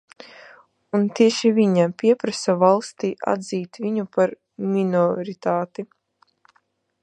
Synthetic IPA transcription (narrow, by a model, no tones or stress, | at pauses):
unt̪iɛʃivʲiɲapʲiɛpɾasavalˠst̪iːʔa̰d̪ziːt̪vʲiɲupaɾ | mʲinɔɾit̪aːt̪i